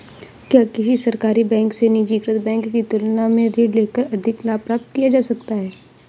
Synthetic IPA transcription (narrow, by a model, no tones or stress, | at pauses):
kjaːkɪsisɐɾkaːɾibɛ̃ːŋksenid͡ʒiːɡɾət̪bɛ̃ːŋkːit̪ʊlnamẽɾeːɖleːkəɾɐd̪ʱɪklaːpɾaːp̚t̪kijad͡ʒaːsɐkt̪aɦɛː